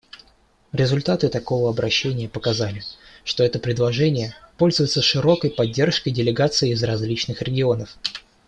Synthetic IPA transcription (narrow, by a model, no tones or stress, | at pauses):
ɾʲɪzʊlʲt̪at̪ɨt̪ɐko̞vəɐbɾʔɐɕːenʲɪjəpəkɐzalʲɪʂt̪o̞ɛt̪əpɾʲɪd̪lˠɐʐɛnʲɪjəpo̞lʲzʊvɪt̪səʂɨɾo̞kəjpɐdʲːe̞rʂkəjdʲɪlʲɪɡat̪sɨɪːzrɐzʲlʲit͡ɕnɨxɾʲɪɡʲɪo̞nəf